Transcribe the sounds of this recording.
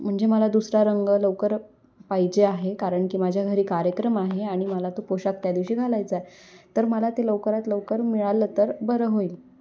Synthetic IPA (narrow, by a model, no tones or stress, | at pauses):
m̤əɳd͡zeməlad̪usɾaɾəŋɡələʋkəɾ | pajd͡ʑeaɦekaɾəɳkiːmad͡ʑʱjaɡʱəɾiːkaɾjəkɾəmaɦeaɽ̃iməlat̪opoɕak̚t̪jad̪iʋɕiːɡʱalajt͡səet̪əɾməlat̪eləwkəɾat̪ləwkəɾmiɭalət̪əɾbəɾəɦoiːl